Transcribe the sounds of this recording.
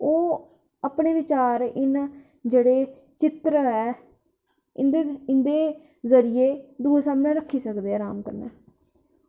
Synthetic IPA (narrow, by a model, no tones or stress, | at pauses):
oː | aːpɳeːʋɪt͡ʃaːɾɪn | d͡ʒeːɽeː | t͡ʃɪt̪ɾəɛː | ɪnd̪eɪnd̪eː | zəɾijeːd̪uːsaːmnẽːɾəkʰːiːsəkd̪eːɛːɾaːmkəɾnɛ̰ː